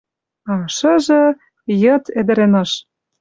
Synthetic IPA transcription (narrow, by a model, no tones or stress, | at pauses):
ɑʃɤ̆ʒɤ̆ | jɤ̆t̪ĕd̪ɘ̆ɾĕnɑʃ